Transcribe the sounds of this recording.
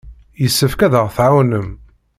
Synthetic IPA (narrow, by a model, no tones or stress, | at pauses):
jəsːəfkæðəʁθʕawnəm